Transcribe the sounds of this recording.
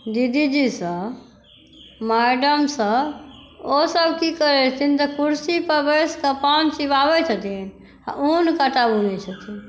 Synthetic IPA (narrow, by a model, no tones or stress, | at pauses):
d̪id̪id͡ʒisə̃ | maɖəmsə̃ | osəbʱkikəɾɛt͡ʃʰt̪ʰint̪ɔkuɾsipəbeskəpansibabɛt͡ʃʰət̪in | a̰ʔunkəʈabunɛt͡ʃʰət̪ʰin